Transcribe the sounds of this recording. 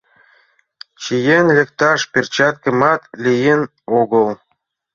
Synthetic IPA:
t͡ɕijenlʲĕkt̪ɑʃpʲerʲt͡ɕɑt̪̚kɤ̆mɑt̪lʲijen | oɡɤ̆lˠ

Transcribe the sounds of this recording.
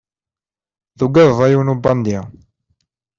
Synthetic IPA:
ðuɡæððˤɑjuwnubɑnd̪i

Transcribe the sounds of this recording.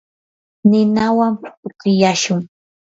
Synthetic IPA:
nɪnawampʊ̥ʊkɪjaʃʊŋ

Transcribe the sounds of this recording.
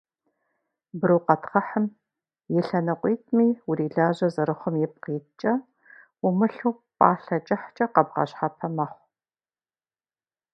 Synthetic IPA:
bɨɾɨwqɐtχɐħəm | jɪɬɐnɐqʷʼiːtʼmiːwʊɾiːɮaːʑɐzɐɾɨχʷʊmjɪp̚qiːt̚t͡ʃʼɐ | ʊmɨɬuː | pʼaːɬɐt͡ʃʼɐħt͡ʃʼɐqɐbʁɐ̰ɕħapʰɐmɐχʷ

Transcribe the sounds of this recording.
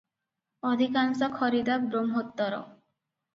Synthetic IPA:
ɔd̪ʱikansɔkʰɔɾid̪abɾomɦot̪ːɔɾɔ̰

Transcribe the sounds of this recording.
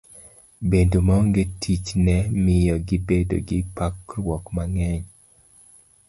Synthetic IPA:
bendomaŋɡetʰit͡ʃnɛmɪjɔɡɪbedo̰ɡɪpakɾwɔkmaŋɛɲ

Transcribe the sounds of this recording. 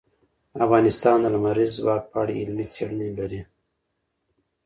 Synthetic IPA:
afɣɑːnɪst̪ɑːnd̪əlamaɾizwɑːk̚pɑːɽḭɪlmit͡seɽnibaɾi

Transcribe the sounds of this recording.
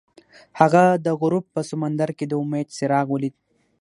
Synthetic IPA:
haɣad̪əɣʊɾupːəsʊmand̪aɾked̪əʊmed̪sɪɾɑɣwəlid̪̚

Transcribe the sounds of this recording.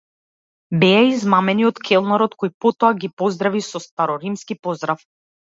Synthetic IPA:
bɛaizmamɛniɔt̪kʰɛlˠnaɾɔt̪kɔjpɔt̪ɔaɡipɔzd̪ɾavisɔst̪aɾɔɾimskipɔzd̪ɾaf

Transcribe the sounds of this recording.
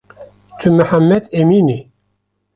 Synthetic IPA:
t̪ʰymɨħamːɛd̪emiːni

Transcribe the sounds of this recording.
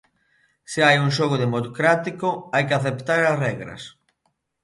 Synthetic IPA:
sɪajuŋʃoɣ̞oðemot̪kɾat̪ikoajkeaθept̪aɾɐsrɛɣɾɐ̰s

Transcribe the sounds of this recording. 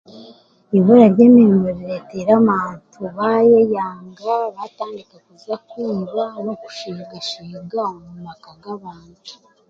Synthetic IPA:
iβoɾaɾɟeːmiːmboɾiɾeteɾaβaːntʰuβajejaːŋɡaβataːndikakuzakuːmano̞ku̥ʃiːɡaʃiːɡamumakaɡaβaːntu

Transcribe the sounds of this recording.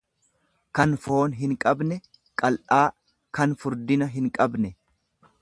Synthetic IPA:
kɐnfo̞ːnɦɪŋkʼɐbnɛ | kʼɐlʔaː | kɐnfʊɾd̪ɪnɐɦɪŋkʼɐbnɛ

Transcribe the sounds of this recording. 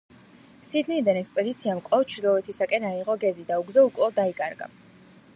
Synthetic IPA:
sid̪niːd̪anɛkspʼɛd̪it̪sʰiamkʼɔft͡ʃʰɾd̪ɔɛt̪ʰisakʼɛnaiʁɔɡɛzid̪auɡzɛukʼlˠɔd̪aikʼaɾɡa̰

